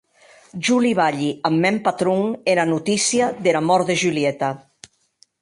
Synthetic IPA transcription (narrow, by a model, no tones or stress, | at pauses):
ʒuliβaʎiamːɛmpat̪ɾuŋeɾanut̪isiaðeɾamɔɾðeʒyliɛt̪a